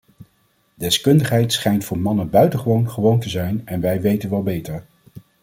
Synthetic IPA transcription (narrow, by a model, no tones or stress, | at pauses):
dɛskɵndəχɦɛjtsχɛjntfʊːɹmɑnənbœɥtəχəʋownχəʋowntəzɛjnɛnʋɛjʋejtənʋɛlˠbejtəɹ